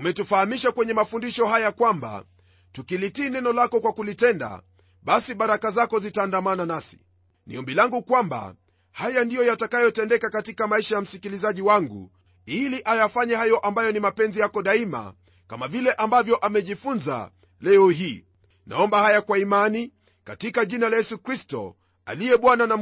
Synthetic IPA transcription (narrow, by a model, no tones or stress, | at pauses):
umɛtufahamiʃakwɛɲɛmafundiʃɔhajakwamba̰ | tukilitiːnɛnɔlakɔkwakulitɛnda̰ | ɓasiɓaɾakazakɔzitaːndamananasi̥ | nḭɔmbilaŋɡukwamba̰ | hajandijɔjatakajɔtɛndɛkakatikamaiʃajam̩sikilizaʄiwaŋɡṵ | iliʔajafaɲɛhajɔʔambajɔnimapɛnzijakɔɗaima̰ | kamavilɛʔambavjɔʔamɛʄifunza̰ | lɛhɔɦiː | na̰ɔmbahajakwaimani | katikaʄinalajɛsukɾistɔ̰ | a̰lijɛɓwanana